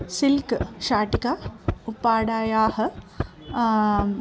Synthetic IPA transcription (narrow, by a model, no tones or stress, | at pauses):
silkʃaːʈikaupːaːɽaːjaːhɐ̆